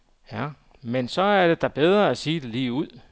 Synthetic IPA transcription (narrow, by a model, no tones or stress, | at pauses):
jæ | mensɒ̽æɐɾ̥e̝d̥ɑ̈b̥eð̞ˠʁɐæsiːd̥e̝liːuð̞̰ˠ